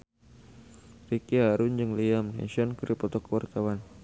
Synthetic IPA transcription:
rikiɦaɾʊnd͡ʒɨŋliamnɛ̰nsɔnkəɾipɔt̪ɔkəwart̪awan

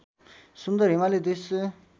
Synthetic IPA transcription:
sund̪aɾemaled̪is

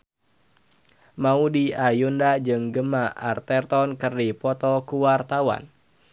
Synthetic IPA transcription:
maudiajundad͡ʒɨŋɡəmaart̪ɛrt̪ɔnkərdipɔt̪ɔkuwart̪awa̰n

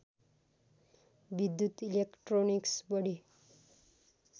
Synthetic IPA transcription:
bid̪jut̪ilekʈroniksbʌɽi

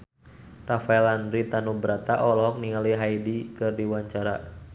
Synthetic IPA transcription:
rafaɛlandɾit̪anubɾat̪aʔɔlɔɦɔk̚niŋaliɦaidikɨrdiwaɲt͡ʃaɾa

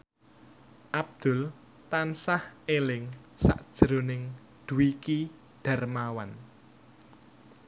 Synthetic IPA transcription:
ʔab̚d̪̥ʊ̤l | t̪ansahelɪŋsa̰ʔd̥ʒ̥ɾonɪŋ | d̪̥uwiki | ɖ̪̥a̤rmawan

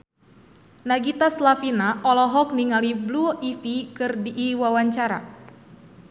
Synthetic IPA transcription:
naɡit̪aslafinaɔlɔɦɔk̚niŋalibluʔifikɨrdiʔːwawaɲt͡ʃaɾa̰

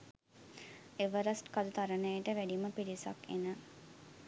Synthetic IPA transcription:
eʋəɾɐsʈkad̪ut̪ɐɾənəjeʈəʋæɖiməpiɾisɐ̰kḛnə

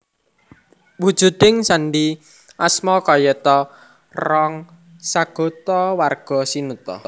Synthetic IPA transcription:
wud̥ʒ̥ṳd̪ɪŋsanɖi | ʔasmɔkɔjɛt̪ɔ | rɔŋ | saɡ̥ɔ̤t̪ɔwarɡ̥ɔ̤sinut̪ɔ̰

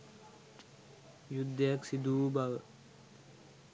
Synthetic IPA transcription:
jud̪ːəjaksid̪uːbaʋə

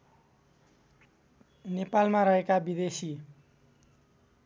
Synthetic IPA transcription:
nepalmaɾʌɦekabid̪esi

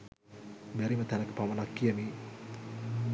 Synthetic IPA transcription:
mæɾimət̪ɛnəkəpaʋɐnakːijəmi

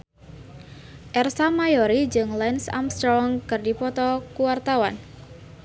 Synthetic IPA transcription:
ʔɛrsamajɔɾid͡ʒɨŋlɛnsa̰mst̪ɔŋkɨrdipɔt̪ɔkuwart̪awan

